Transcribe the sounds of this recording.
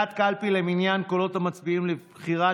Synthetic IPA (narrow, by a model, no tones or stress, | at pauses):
at̪kalpileminjankolo̞t̪amat͡sbiimlebbχiʁa